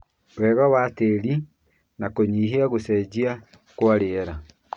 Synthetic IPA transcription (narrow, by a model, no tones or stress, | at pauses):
wɛɣɔwateɾi | nakoɲiːɦiaɣosɛd͡ʒia | kwaɾeɛɾa